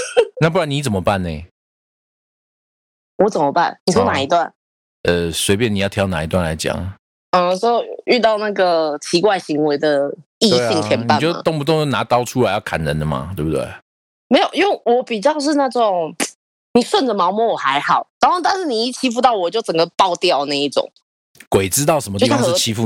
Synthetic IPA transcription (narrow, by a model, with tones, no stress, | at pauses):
na˥˧p̬u˥˩ɻa˧˦ni˧˥t͡sə˨˩mə˦pa˥˩nːe˨˩ | wɔ˧˦t͡sə˨˩mə˦pa̰˥˩nni˨˩o˥na˨˩i˧˥t̪wa˥˩n | ʔə˨swe˧˥ɪpjni˨jɑ˥˩ʊt̪ʰjɑ˧˥ʊna˨˩i˧t̪wa˥˨nla̰˧˥ɪt͡ɕjɑ̰˨˩˦ŋ | ə˧˩sɔ˥y˥˧t̪ɑ˥˧ʊna˥˩ɡə˩t͡ɕʰi˧˥kwa˥˩ɪɕi˧˥ŋwe˧ɪd̪ə˨i˥˧ɕi˥˩ŋt͡ɕʰjɛ˧npa˨˥˨t͡ɕo˥˧˨t̪o˥˧ŋpu˨˩t̪o˥˧ŋʂ̩˥˩na˧˥t̪ɑ˥ʊʈ͡ʂʰu˥la˧˥ɪjɑ˥˩ʊkʰa̰˨˩nɻə˨˦nd̪ə˨ma̰˨t̪we˥˩bu˨˩wḛ˥˩ɪ | me˧˥ɪjo˨˩jwwɔ˧˦pi˨˩t͡ɕjɑ˥˧ʊʂ̬ɻ̩˥˧na˥˩ʈ͡ʂʊ˨˩ŋ | ni˨˩swə˥˩nd̪ə˨mɑ˧˥ʊmɔ˧˥wɔ˨˩xa˧˦˥ɪxɑ˨˩˦ʊna˧˥no˥˧t̪̬a˥˧nʂɻ̩˥˩ni˨˩i˥˩t͡ɕʰi˥fu˥˧t̪ɑ˥˩ʊwɔ˨˩t͡ɕjo˥˩ʊt͡sə˨˩ŋɡə˦pɑ˥˧ʊt̪jɑ˥˧ʊna˥˧i˥˩ʈ͡ʂʊ̰˨˩˦ŋ | kwe˨˩ɪt͡sɻ̩˥t̪ɑ˥˩ʊʂə˧˦mət̪i˥˧i˧ɑ˥ʂ̩˥˧˥t͡ɕʰi˥fu˥˨